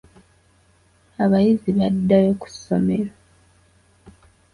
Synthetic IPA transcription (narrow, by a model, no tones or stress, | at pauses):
aβajiziβadːajoku̥so̞me̞ɾa